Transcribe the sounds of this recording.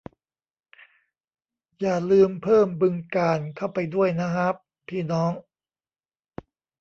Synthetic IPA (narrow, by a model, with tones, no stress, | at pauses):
jaː˨˩lɯː˧mpʰɤː˥˩mbɯ˧ŋkaː˧nkʰa˥˩wpa˧jdu˥˩əjna˦˥ɦa˦˥p̚ | pʰiː˥˩nɔː˦˥ŋ